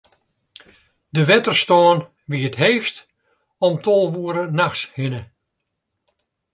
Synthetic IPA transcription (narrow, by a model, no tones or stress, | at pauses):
dəʋɛtərstɔːən | ʋiətɦeːft | ɔmtʰolˠʋuəɾənaxshɪnə